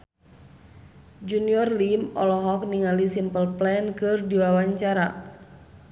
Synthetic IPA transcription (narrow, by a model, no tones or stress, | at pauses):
d͡ʒuniɔrlimɔ̰lɔɦɔk̚niŋalisimpəlplɛnkɨrdiwawaɲt͡ʃaɾa